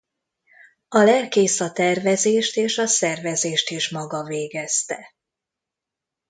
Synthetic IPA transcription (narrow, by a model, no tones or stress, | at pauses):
ɒlɛrkeːsɒt̪ɛrvɛzeːʃt̪eːʃɒsɛrvɛzeːʃt̪iʃmɒɡɒveːɡɛst̪ɛ